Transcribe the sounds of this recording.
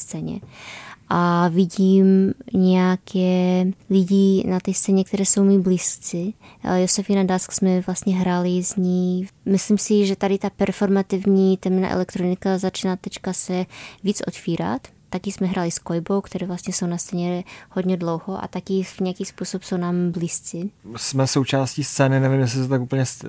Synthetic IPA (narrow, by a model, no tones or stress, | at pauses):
st͡sɛːɲɛ̰ʔaviɟiːmɲɛjakʰɛlɪɟinat̪ɛst̪t͡sɛːɲɛk̚t̪ɛɾɛːso̞wmibliːst͡sɪ̰josɛfinand̪asksmɛvlast̪ɲɛɦɾalɪzɲiːmɪslimsɪʒɛt̪adɪt̪apɛɾfoɾmat̪ivɲiːt̪ɛmna̰ʔɛ̰lɛkt̪ɾonɪkazat͡ʃinat̪ɛt͡ʃkasɛviːt͡sʔo̰t̪fiːɾa̰t̪ːakɪsmɛɦɾʔaːlɪskojbowkt̪ɛɾɛːvlast̪ɲɛsownast͡sɛɲɛhod̪ɲɛdlowhoʔa̰t̪akɪvɲɛjakiːspusopsownaːmbliːst͡sɪsmɛsowt͡ʃaːsciːst͡sɛːnɪnɛvimjɛs̬lɪsɛt̪akupl̩ɲɛs